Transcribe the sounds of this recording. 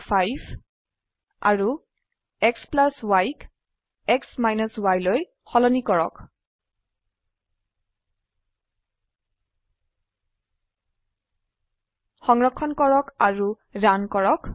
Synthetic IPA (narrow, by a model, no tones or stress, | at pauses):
pʰajb | a̰ɹu | ɛksplaswajk | ɛksmajnɔswajloj | xɔlɔnikɔɹɔ̰k | xɔŋɹɔkʰːɔnkɔɹɔkaɹu | ɹankɔɹɔk